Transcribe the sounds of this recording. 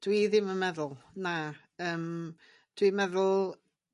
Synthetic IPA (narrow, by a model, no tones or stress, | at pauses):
d̥wiðɪməmɛðʊlˠna | əːm | d̥wimɛðʊlˠ